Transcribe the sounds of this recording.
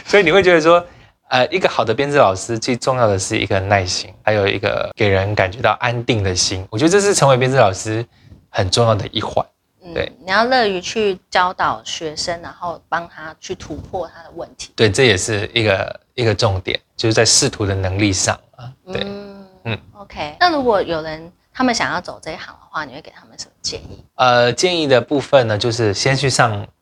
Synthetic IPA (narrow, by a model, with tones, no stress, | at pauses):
swɔ˧˥i˨˩ni˨we˥ɪt͡ɕɥɛ˧˥d̪ə˧ʂwɔ˥ | ə˧ʔi˥ɡə˨xɑ˨˩ʊd̪ə˦p̬jɛ˥nt͡sɹ̩˥˩lɑ˨˩ʊʂɻ̩˥t͡swe˥˩ɪʈ͡ʂʊ˥˧ŋjɑ˥˩ʊd̪ə˩ʂɻ̩˥˩ḭ˧˥ɡə˨na˥˩ɪɕi˥ŋxa˧˥ɪjo˨˩ʊḭ˧˥ɡə̰˧ke˨˩ɪɻə˧˦nka˨˩nt͡ɕɥɛ˧˥t̪ɑ˥˩ʊʔa˦˥nt̪i˥˩ŋd̪ə˩ɕi˥nwɔ˨˩t͡ɕɥɛ˧˥d̪ə˧ʈ͡ʂɤ˥˧ʂɻ̩˥˩ʈ͡ʂʰə˧˥ŋwe˧˥ɪpjɛ˥nt͡sɹ̩˥˩lɑ˨˩ʊʂɻ̩˥ | xə˨˩nʈ͡ʂʊ˥˧ŋjɑ˥˩ʊd̪ə̰˩ʔi˥˩xwa̰˨˩˦n | nt̩̪˥˩wḛ˥˩ɪni˨˩jɑ˥˧ʊlɤ˥˩y˧˥t͡ɕʰy˥˩t͡ɕjɑ˥ʊt̪ɑ˨˩ʊɕɥɛ˧˥ʂə˥ŋɻa˧˥nxo˥˩ʊpɑ˥ŋt̪ʰa˥t͡ɕʰy˥˩t̪ʰu˧˥pʰwɔ˥˧t̪ʰa˥d̪ə˨wə˥˨˩nt̪ʰi̥˨˦t̪we˥˩ɪʈ͡ʂɤ˥˩jɛ˨˩ʂɻ̩˥˩i˧˥ɡə̰˨˩ | i˧˥ɡə˨ʈ͡ʂʊ˥˨ŋt̪jɛ̰˨˩˦nt͡ɕjo˥˧ʂɻ̩˥˩t͡sa˥˩ɪʂɻ̩˥˩t̪ʰu˧˥d̪ə˨nə˧˥ŋli˥˧ʂɑ̰˥˩ŋə˩twḛ˥˩ɪn̩˥˩o˧˥ʊkʰe˥ɪna˥˩ɻu˧˥kwɔ˨˩jo˨˩ʊɻə˧˦n | t̪ʰa˥mə˨nɕjɑ˨˩ŋjɑ˥˩ʊt͡so˨˩ʊə˥˧i˥xɑ̰˨˩ŋd̪ə̰˨˩xwa˥˩ni˨˩we˥˩ke˨˩t̪ʰa˥mə˨˩nʂə˧˦mə˧t͡ɕjɛ̰˥˧nḭ˥˩ə˧t͡ɕjɛ˥˧ni˥˩d̪ə˩pu˥˧fə˥˨nə˩t͡ɕjo˥˧ʊʂ̬ɻ̩˥˧ɕjɛ˥nɕʰy˥˧ʂɑ˥˧ŋ